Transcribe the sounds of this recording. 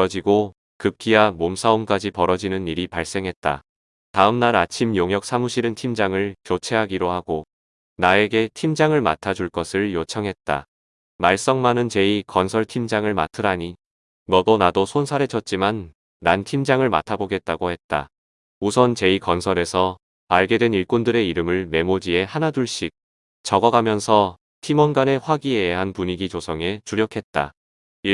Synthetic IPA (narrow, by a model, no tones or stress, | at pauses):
ʌd͡ʑiɡo | kɯp̚kʰiamomsʰaumk͈ad͡ʑipʌɾʌd͡ʑinɯniɾipaɭs͈e̞ŋɦe̞t̚t͈a̰ | taɯmnaɾat͡ɕʰimjoŋjʌk̚s͈ʰamuɕʰiɾɯntʰimd͡ʑaŋɯɭt͡ɕot͡ɕʰe̞ɦaɡiɾohaɡo | nae̞ɡe̞tʰimd͡ʑaŋɯɭma̰tʰad͡ʑuɭk͈ʌsʰɯɭjot͡ɕʰʌŋɦe̞t̚t͈a̰ | maɭs͈ʌŋmanɯnt͡ɕe̞ikʌnsʰʌɭtʰimd͡ʑaŋɯɭma̰tʰɯɾaɲi | mʌɡʌnadosʰonsʰaɾɦe̞t͡ɕʰʌt̚t͡ɕ͈iman | ɾantʰimd͡ʑaŋɯɭma̰tʰaboɡe̞t̚t͈aɡohe̞t̚t͈a̰ | usʰʌnt͡ɕe̞ikʌnsʰʌɾe̞sʰʌ | maɭɡe̞dwe̞niɭk͈ondɯɾe̞iɾɯmɯɭme̞mod͡ʑie̞hanaduɭɕ͈ik̚ | t͡ɕʌɡʌɡamjʌnsʰʌ | tʰimʌnɡane̞ɸwaɡieɦanpuɲiɡit͡ɕosʰʌŋe̞t͡ɕuɾjʌkʰe̞t̚t͈a̰ | i